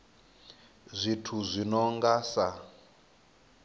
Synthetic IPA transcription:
zʷitʰuzʷinɔŋɡasa

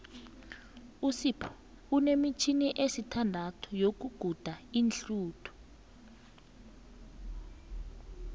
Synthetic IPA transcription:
usipʰɔ̥ | unemit͡ʃʰiniʔesitʰandʱatʰu̥jok̬uɡ̥ʱud̥ʱainɬuːtʰu̥

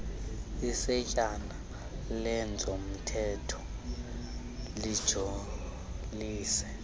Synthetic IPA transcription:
isɛcʼana | lɛnd͡zʱom̩tʰɛtʰɔ̥ | lid̥ʒ̥ʱo | liːsɛ

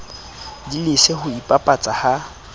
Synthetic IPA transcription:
dilɪsehʊipʼapʼat͡sʼaha

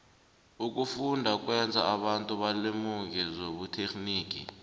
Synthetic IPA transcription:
uk̬ʼufundʱak̬ʼwɛnd͡zʱa̰aɓantʼuɓalemuŋkizoɓutʰekʰʼniːk̬ʼḭ

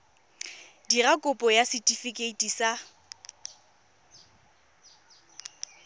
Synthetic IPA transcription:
dirakʼʊpʼɔjasɪtʼifikʼeitʼisa

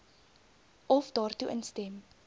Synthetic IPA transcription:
ɔfdɑːrtuʔənstɛm

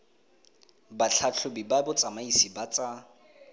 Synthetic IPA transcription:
baɬʰat͡ɬʰʊbibabʊt͡sʼamaisibat͡sʼa

